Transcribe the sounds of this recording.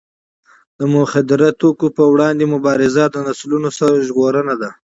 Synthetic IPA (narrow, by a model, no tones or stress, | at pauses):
d̪̥əmʊxad̪ɪɾat̪okopəwɽɑnd̪emʊbɑɾɪzad̪ənaslunosaɾʒɣoɾənad̪a